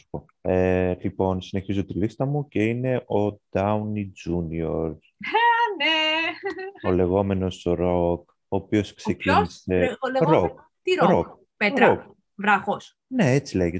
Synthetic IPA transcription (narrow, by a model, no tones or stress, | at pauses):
spo | elipo̞nsine̞çizo̞t̪ilist̪ɐmuce̞ine̞ʔo̞d̪̥ɐunid͡ʒunio̞ɾs | ne | ole̞ɣo̞me̞no̞soɾok | oːpio̞skse̞cinise̞ɾok | t̪iɾoɾok | pet̪ɾok | vɾɐxos | ne̞et͡sileʝe